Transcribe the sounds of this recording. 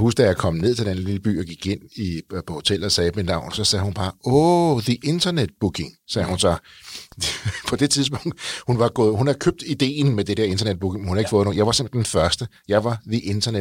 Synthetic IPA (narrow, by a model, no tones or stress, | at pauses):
husɡ̥d̥æjäkʰɒ̽mne̝ð̰ˠt͡sʰed̥ænəliləb̥y̰ːɒɡ̥iɡ̥e̝n̰ipʰɒ̽ho̝t͡sʰel̰ɒsɛːb̥enɑ̈ʊ̰nsɒ̽sɛhunb̥ɑ̈ːɔðiʔe̝nd̥ɐned̥̚b̥ukʰe̝ŋsɛːhunsɒ | pʰɒ̽d̥e̝t͡sʰið̞ˠs̬b̥ɔ̽ŋ̰d̥hunʋɑ̈ɡ̥ɔ̽ːð̩ˠhunhɑ̈kʰøb̥̚d̥id̥e̝̰ːn̩med̥ed̥eɐe̝nd̥ɐned̥̚b̥ukʰemenhunhɑ̈eɡ̥fɔ̽ːðˠno̝ːjɑ̈ɪʋɑ̈se̝m̥e̥d̥enfɶɐsd̥əjɑ̈ɪʋɑ̈ðiʔe̝nd̥ɐne